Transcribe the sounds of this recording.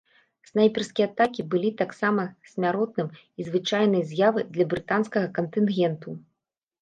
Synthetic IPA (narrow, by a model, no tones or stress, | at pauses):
snajpʲɛrskʲijɐat̪akʲibɨlʲit̪aksamɐsʲmʲaɾɔt̪̚nɨm | izvɨt͡ʂajn̪ɐjɐzʲjavɨd̪lʲɐbɾɨt̪anskɐɣɐkɐnt̪ɨnɣʲɛnt̪u